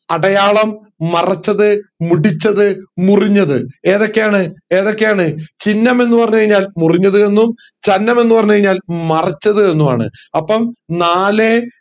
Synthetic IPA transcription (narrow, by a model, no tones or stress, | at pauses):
ɐɽɐjaːɭɐmː | ɐrɐt͡ɕːɐðɨmuɽit͡ɕːɐðɨmuriɲːɐðɨe̞ːðo̞kːe̞jaːɳɨe̞ːðo̞kːejaːɳɨt͡ɕinːɐme̞nːupɐrɐɲːuɣɐɻiɲːaːlmuriɲːɐðɨe̞nːum | t͡ɕɐnːɐme̞nːupɐrɐɲːukɐɻiɲːaːlmɐrɐt͡ɕːɐðɨe̞nːuma̰ːɳɨ̰ɐpːɐmnaːle̞